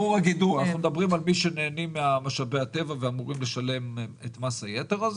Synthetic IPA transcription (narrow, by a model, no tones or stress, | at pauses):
uʁaɡid̪uanaχnumed̪abʁimalmiʃene̞ːnimeamaʃabeat̪e̞vaveamuʁimle̞ʃale̞met̪mashajeteʁaz